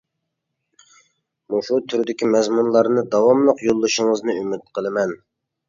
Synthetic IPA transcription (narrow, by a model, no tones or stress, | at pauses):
muʃut̪ʰyɾd̪ɪkʲʰimɛzmunlˠɑɾnɨd̪ɑwɑmlˠəqjolˠːɨʃɪŋəznɨymɪt̪̚qʰəlˠɨmɛn